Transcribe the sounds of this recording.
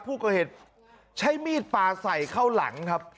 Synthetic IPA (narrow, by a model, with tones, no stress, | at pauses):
pʰuː˥˩ka˧˩heː˨˩t̪̚ | t͡ɕʰa˦˥jmiː˥˩t̪̚paː˧sa˨˩jkʰa˥˩wla̰˩˦ŋkʰa˦˥p̚